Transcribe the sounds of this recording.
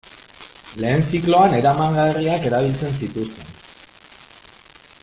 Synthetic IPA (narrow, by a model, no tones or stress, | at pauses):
le̞ːnt͡siklo̞ane̞ɾamaŋɡariake̞ɾaβ̞ilt͡se̞ns̬it̪ust̪e̞n